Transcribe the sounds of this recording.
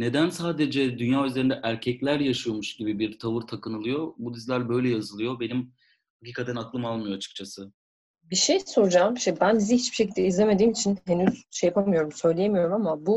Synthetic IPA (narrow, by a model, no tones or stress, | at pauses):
ne̞d̪ænsaːd̪e̞d͡ʒɛd̪ynjaːyzleɾind̪ɛʔæɾcʰɛclʲæɾjaʃɯjomuʃɟibibiɾt̪ʰavɯɾt̪ʰakʰɯnɯlˠɯjo̞bud̪izlʲæɾbø̞jlʲɛjazɯlˠɯjo̞be̞nim | hakciːkʰat̪ʰænaklˠɯmalˠmɯjo̞at͡ʃʰɯ̥k̚t͡ʃʰasɯ | biʃejso̞ɾud͡ʒamʃbænbizihit͡ʃb̥iʃe̞cilʲd̪ɛizlʲeme̞d̪iːmit͡ʃʰinhe̞nyz̥ʃejapʰamɯjo̞ɾumsø̞jlʲejemijo̞ɾumamabu